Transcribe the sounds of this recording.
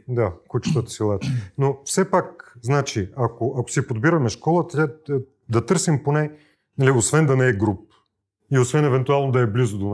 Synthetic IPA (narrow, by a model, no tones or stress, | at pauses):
d̪akut͡ʃi̥t̪ət̪ə̥silˠat̪nofsɛpak̚znat͡ʃiɐkoʔɐko̥sipod̪biɾɐmɛʃkɔlˠət̪ʲa | d̪ɐt̪ɤɾsimponɛ | nɐliosvɛnd̪ɐnɛːɡɾup̚ | iosvɛnɛvɛnt̪ualˠnod̪ɐɛblizʊd̪on